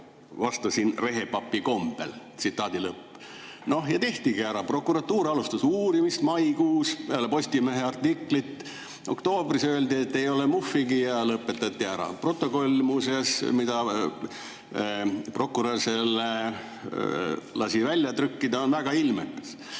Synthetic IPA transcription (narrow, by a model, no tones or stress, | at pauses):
vɑst̪usinre̞ɦe̞pɑpːiko̞mb̥e̞̰lt̪sit̪ːˑɑːd̪ilɤpː | no̞hjɑt̪e̞ht̪iɡ̥iæɾɑpro̞kːˑuɾɑt̪ːuːɾɑlust̪usuːɾimist̪mɑjkuːselepo̞sʲt̪ʲime̞ɦeɑrt̪ːikːˑlit̪ː | o̞kt̪o̞ːbrisøeld̪iet̪ːe̞jo̞lemufːiɡijɑlɤpːˑe̞t̪ːˑɑt̪ʲːiæɾɑ̰pro̞t̪ːˑo̞ko̞lʲmusesmid̪ɑ | pro̞kːˑuɾɑrsele | lɑsivælʲjɑt̪ɾykːid̪ɑonvæɡ̥ɑilmḛkːˑɑ̥s